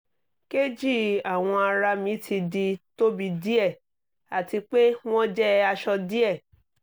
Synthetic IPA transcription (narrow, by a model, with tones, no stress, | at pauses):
ke˦d͡ʒi˦˨a˨w̃ɔ̃˧a˧ɾa˧mĩ˨˦tʰi˧di˧to˦bi˧di˦ɛ˦˨ | a˨ti˧k͡pe˦w̃ɔ̃˦d͡ʒɛ˦a˧ʃɔ˧di˦ɛ˦˨